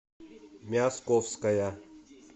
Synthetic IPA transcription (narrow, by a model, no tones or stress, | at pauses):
mʲaskofskɐja